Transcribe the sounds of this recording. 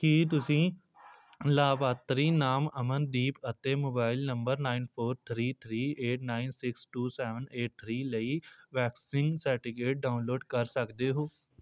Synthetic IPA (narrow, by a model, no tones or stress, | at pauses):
kiːt̪̬ʊsĩː | laːbaːt̪ɾiːnaːməmənd̪iːpət̪eːmoːbaːɪlnə̃mbəɾnaːɪnpʰoːɾt̪ʰɾiːt̪ʰɾiːeːʈnaːɪnsɪksʈuːsɛːʋəneːʈ̚t̪ʰɾiːləiːʋɛːksɪ̃ŋɡsɛːʈɪɡeːʈ̚ɖaːʊnloːɖkəɾsəkd̪eːɦoː